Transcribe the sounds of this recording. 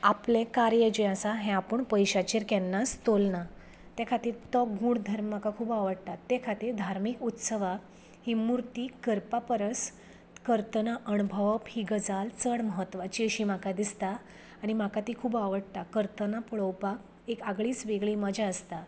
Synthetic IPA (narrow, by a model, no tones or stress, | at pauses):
aplẽkaɾjəd͡ʑəasaɦɛ̃apəɳpəjɕat͡ɕeɾkɛnːast̪olna | t̪jɛkʰat̪iːɾt̪ɔɡũːɽd̪ʱəɾmːakakʰuːbaʋəɽt̪at̪ːɛkʰat̪iːɾd̪ʱaɾmikut̪səʋak | ɦimuɾt̪iːkəɾpapəɾəs | kəɾt̪ənaʔənubʱəʋəphiɡəd͡zalt͡səɽməɦət̪ːʋat͡ɕiːəɕiːm̤akad̪ist̪aː | ɽ̃im̤akat̪iːkʰuːbaʋəɽt̪akəɾt̪ənapuɭəwpak | ekaɡɭiːt͡sʋeɡɭiməd͡ʑʱaəst̪a